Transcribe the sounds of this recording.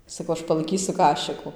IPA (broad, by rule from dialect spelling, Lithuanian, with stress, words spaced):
sɐˈkɐʊ ˈɐʃ pɐlˠɐɪˈkʲiːsʊ ˈkɑːʃʲɪkʊ